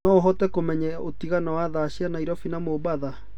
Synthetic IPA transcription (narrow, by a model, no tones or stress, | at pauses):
nɔɦɔtɛkomɛɲɛotiɣanawaðaɕianaiɾɔfinamoβaða